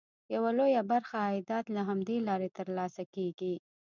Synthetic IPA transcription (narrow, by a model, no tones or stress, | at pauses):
jawalojabaɾxaːd̪ɑt̪laɦamd̪elɑɾet̪əɾlɑsakeɡi